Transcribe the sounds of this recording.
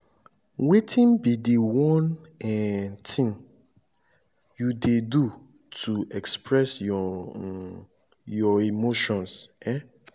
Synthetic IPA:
wetĩnbidiwɔ̃nɛtʰĩn | judedu | tʰuɛkspɹɛs | jɔimoʃɔ̃nsɛ

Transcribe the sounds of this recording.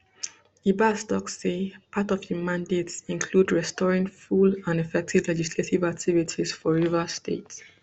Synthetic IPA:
ibastɔksepʰatɔv̥himãndetsĩnkʰl̥udɹɛstɔɹɪ̃ŋfulãnɛfɛk̚tʰivlɛd͡ʒisletivak̚tʰivitʰiz̥fɔɹivəstʰḛts

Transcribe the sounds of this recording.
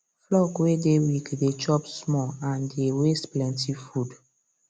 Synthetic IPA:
flɔkwedewikdet͡ʃɔpsmɔãndewesplɛ̃ntifud

